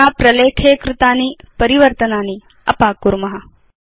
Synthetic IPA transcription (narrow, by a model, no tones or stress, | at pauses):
aːpɾɐleːkʰeːkɾɪt̪aːniː | pəɾiʋəɾt̪ənaːniː | ɐ̰paːkːuɾmɐɦa